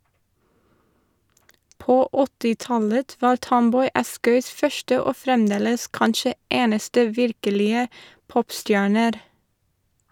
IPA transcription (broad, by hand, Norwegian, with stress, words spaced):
ˈpoː ˈɔtɪˌtɑlət ˈʋɑːɾ ˈtɔmˌbɔʏ ˈɑskœʏs ˈfœʃʈə ˈoː ˈfɾɛmˌdeːləs ˈkɑnʃə ˈeːnəstə ˈʋɪɾkəlɪə ˈpɔpˌstjæːɳəɾ